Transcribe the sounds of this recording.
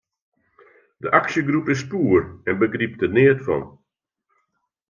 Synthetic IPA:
dəʔaksjəɡrupɪspuːərɛnbəɡrip̚tənɪətfɔ̰n

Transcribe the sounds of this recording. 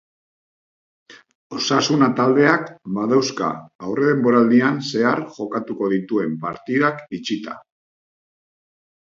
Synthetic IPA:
o̞sasunat̪ald̪e̞akbaðawska̰ːwre̞ð̞e̞mbo̞ɾald̪ianse̞aɾʝo̞kat̪uko̞ðit̪ue̞mpa̰ɾt̪iðakit͡ʃit̪a̰

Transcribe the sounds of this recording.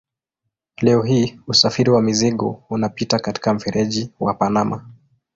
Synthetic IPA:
lɛɔɦiːusafiɾiwamiziɠɔunapitakati̥kam̩fɛɾʔɛʄiwa̰panama

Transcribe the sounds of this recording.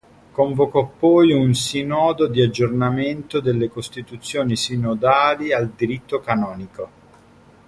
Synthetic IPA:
koɱvokɔpːɔjunsinɔːd̪od̪iad͡ʒːornament̪od̪elːekost̪it̪ut̪sːjoːnisinod̪aːliald̪iɾit̪ːokanɔːniko

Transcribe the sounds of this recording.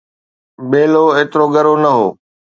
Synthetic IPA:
beːloeːt̪ɪɾoɡɐɾonɐɦoː

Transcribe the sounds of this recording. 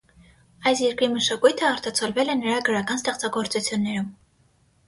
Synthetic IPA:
ɑjsjɛɾkɾiməʃɑkujt̪ʰəɑɾt̪ɑt͡sʰɔlvɛlɛnəɾɑɡəɾɑkɑnst̪ɛχt͡sɑɡɔɾt͡sut͡sʰjunːɛɾum

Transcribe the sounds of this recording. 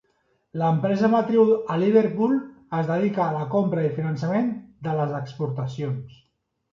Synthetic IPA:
ləmpɾɛzəmat̪ɾiuəliβeɾpulˠəzðəðikaːləkompɾəifinənsəmend̪ələzəkspuɾt̪əsions

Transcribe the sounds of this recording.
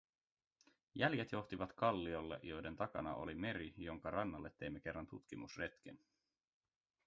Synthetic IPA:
jæljet̪jo̞xt̪iʋɑt̪kɑlːio̞lːḛʔjo̞jde̞nt̪ɑkɑ̰nɑ̰ʔo̞̰lime̞ɾijo̞ŋkɑɾɑnːɑlːet̪ːe̞jmːe̞k̟e̞rːɑnt̪ut̪k̟imusre̞t̪k̟en

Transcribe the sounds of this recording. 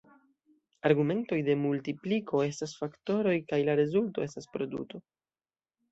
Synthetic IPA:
aɾɡume̞nto̞jde̞multiplikʰo̞e̞stasfakto̞ɾo̞jkajlaɾe̞zulto̞e̞staspɾo̞dṵto̞

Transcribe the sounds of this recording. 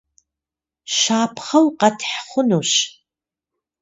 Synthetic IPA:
ʃaːpʰχɐwqɐtʰħχʷʊnuːɕ

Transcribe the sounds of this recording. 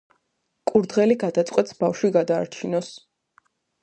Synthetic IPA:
kʼuɾd̪ʁɛliɡad̪at̪sʼqʼwɛt̪sbafʃwiɡad̪a̰ːɾt͡ʃʰinɔs

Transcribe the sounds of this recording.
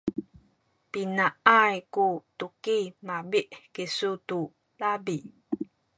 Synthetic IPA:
pinaʔajkutukimabiʔkisutu | labi

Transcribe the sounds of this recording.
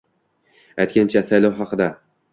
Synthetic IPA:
ajt̪̚ʲkʲant͡ʃʰasajlˠɒwɦɑqɨd̪a

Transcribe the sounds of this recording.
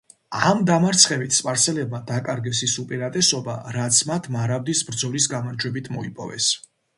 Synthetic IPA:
amd̪amaɾt̪sʰχɛvit̪ʰspʼaɾt̪sʰɛlɛb̚mad̪akʼaɾɡɛsisupʼiɾat̪ʼɛsɔba̰ɾat̪sʰmat̪ʰmaɾabd̪isbɾd̪zɔlisɡamaɾd͡ʒwɛbit̪ʰmɔipʼɔ̰vɛ̰s

